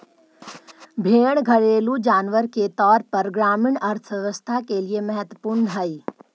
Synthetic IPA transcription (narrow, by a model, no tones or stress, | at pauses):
bʱeːɽ̃ɡʱɐɽeːlud͡ʒaːnʋəɾket̪ɔːɾpɐɾɡɾaːmɪɳɐɾt̪ʰʋɛʋəst̪ʰakeliemɐɦət̪wəpuɾɳəɦɐi